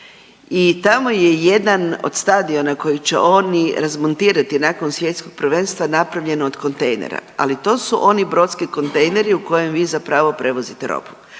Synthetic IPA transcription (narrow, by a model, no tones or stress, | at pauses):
it̪amo̞je̞je̞d̪ano̰d̪̥st̪ad̪io̞nako̞jit͡ɕḛʔo̞niɾazmo̞nt̪iːɾat̪inako̞nsʋje̞t̪sko̞ɡ̚pr̩ʋe̞nst̪ʋanapɾaʋʎe̞nooːd̪ko̞nt̪ejnḛɾa̰a̰lit̪o̞ːsuʔo̞nibɾo̞t̪skiko̞nt̪ejne̞ɾiuko̞je̞mʋiːzapɾaʋo̞pɾe̞ʋo̞zit̪eɾo̰pu̥